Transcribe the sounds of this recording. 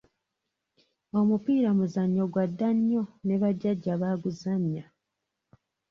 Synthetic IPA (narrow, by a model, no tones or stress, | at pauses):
o̞mupiːɾamuzaɲːo̞ɡwadːaɲːo̞ne̞βaɟːaɟːaβaːɡuzamja